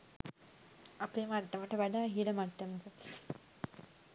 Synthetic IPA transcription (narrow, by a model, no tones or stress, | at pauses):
apeːmaʈːəʋəʈəʋæɖaːɦiləmaʈːɐmət̪ə